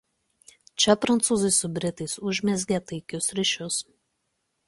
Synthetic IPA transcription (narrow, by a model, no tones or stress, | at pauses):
t͡ʃʲɛpɾɐnt̪suːzɐɪsʊbʲɾʲɪt̪ɐɪsʊʒʲmʲɛzʲɡʲet̪ɐɪkʲʊsɾʲɪʃʲʊs